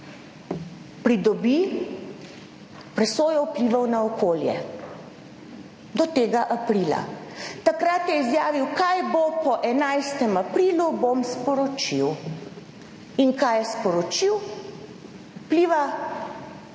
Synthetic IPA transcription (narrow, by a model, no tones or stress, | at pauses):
pɾid̪ɔbi | pɾɛsoːjɔupliːʋawnaɔkʰoːljɛ̰ | d̪ɔt̪eːɡaʔapɾiːla̰t̪akɾat̪jɛizjaːʋiwkajbopɔʔɛnajst̪ɛmapɾiːlubomspɔɾɔt͡ʃiw | iŋkajɛspɔɾɔt͡ʃiw | upliːʋa